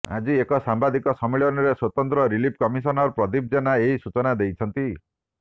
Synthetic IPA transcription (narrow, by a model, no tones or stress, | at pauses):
a̰d͡ʒiekɔsambad̪ikɔsɔmiɭɔnɔɾeswɔt̪ɔnt̪ɾɔɾilip̚ʰkɔmisɔnɔɾpɾɔd̪ib̚d͡ʒenaeɦisut͡ʃɔnad̪ejt͡ʃʰɔnt̪i